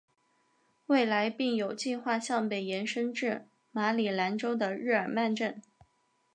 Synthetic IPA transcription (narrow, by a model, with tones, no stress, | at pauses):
we˥˩ɪla˧˥ɪpi˥˩ŋjo˨˩ʊt͡ɕi˥˧xwa˥˧ɕjɑ˥˩ŋpe˨˩ɪjɛ˧˥nʂə˥ŋʈ͡ʂɻ̩˥˩ | ma˧˥li˨˩la˧˥nʈ͡ʂo˥ʊd̪ə˨ɻɻ̩˥˩ə˞˨˩ma˥˧nʈ͡ʂə˥˩n